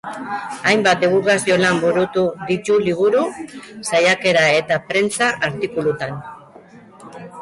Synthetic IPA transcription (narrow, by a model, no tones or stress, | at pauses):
ajmbat̪̚d̪eɣuɾɣasio̞lambuɾut̪uðit̪uliβ̞uɾusajake̞ɾae̞t̪apɾe̞nt͡saʔaɾt̪ikulut̪an